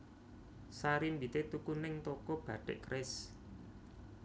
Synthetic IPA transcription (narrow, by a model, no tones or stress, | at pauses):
saɾimbit̪et̪ukunɪŋt̪ɔkɔb̥ä̤ɖ̥ɛ̰ʔkɾɪs